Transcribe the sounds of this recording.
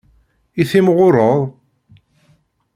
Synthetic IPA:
iθimʁʊɾˤəðˤ

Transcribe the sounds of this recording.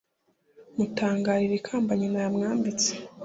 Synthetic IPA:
mutʰaːŋɡaːɾiɾekʰaːmbaɲinajamŋaːmbit͡se̥

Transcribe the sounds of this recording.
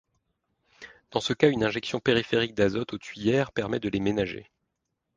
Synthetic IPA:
d̪̥ɑ̃səkaynɛ̃ʒɛksjɔ̃peʁifeʁik̚d̪azɔt̪ot̪ɥijɛʁpɛʁmɛd̪əlemenaʒḛ

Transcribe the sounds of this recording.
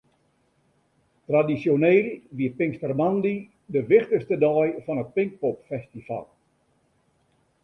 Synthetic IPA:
tradisjonelʋiəpɪŋstərmandi | dəʋɪχtəstədɔjfɔnət̚pɪŋk̚popfɛstifa̰lˠ

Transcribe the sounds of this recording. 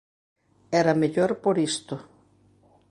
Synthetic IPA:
ɛɾɐmeʎoɾpoɾist̪ʊ

